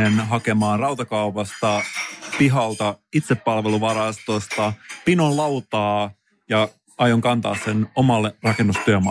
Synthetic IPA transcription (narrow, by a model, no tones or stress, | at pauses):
enɦɑkemɑːnrɑwt̪ɑkɑupɑst̪ɑpiɦɑlt̪ɑit̪sepːɑlʋeluʋɑɾɑst̪ost̪ɑpinonlɑwt̪ɑː | jɑ | ɑjoŋkɑnt̪ɑ̰ːssenomɑlːerɑkenːust̪yøm